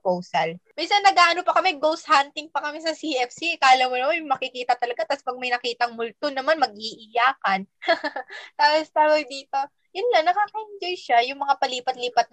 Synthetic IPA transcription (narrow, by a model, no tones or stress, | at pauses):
powsɐlminsɐnːɐɡaːʔɐnopɐkɐmɛɡows̚hant̪ɪŋpɐkɐmɪsɐsiʔɛfsikaʔɐlamonɐmanmɐkɪkiːt̪ɐt̪ɐlɐɡat̪aspɐɡ̚mɐjnɐkiːt̪ɐŋmʊlt̪onɐmanmɐɡ̚ʔiʔɪjaːkɐn | t̪aːpost̪aːwɐjd̪iːt̪o̞ | jʊnlanːɐkaːkɐhɪnd͡ʒojʃajʊŋmɐŋapɐliːpɐt̪liːpɐt̪̚